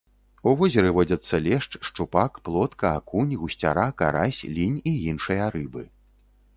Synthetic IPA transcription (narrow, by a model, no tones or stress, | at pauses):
uvɔzʲɐɾɨvɔd͡zʲɐt̪sːɐlʲɛʂt͡ʂʂt͡ʂupakplˠɔt̪kɐakunʲɣusʲt͡sʲa̰ɾaka̰ɾasʲlʲinʲijinʂɨjɐɾɨbɨ